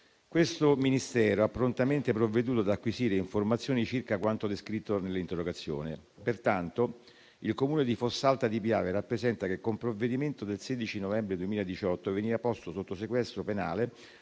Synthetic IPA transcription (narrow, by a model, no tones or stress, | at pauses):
kwest̪ominist̪ɛːɾoapːɾont̪ament̪epɾovːed̪uːt̪oad̪akːwiziːɾeiɱformat̪sːjoːnit͡ʃirkakwant̪od̪eskɾit̪ːonelːint̪erːoɡat̪sːjo̰ːni | pert̪ant̪o | ilkomuːned̪ifosːalt̪ad̪ipjaːverapːɾezɛnt̪akekːompɾovːed̪iment̪od̪elseːd̪it͡ʃinovɛmbɾed̪uemiːlaed̪it͡ʃɔt̪ːoeveniːvapɔst̪osot̪ːosekwɛst̪ɾopena̰ːle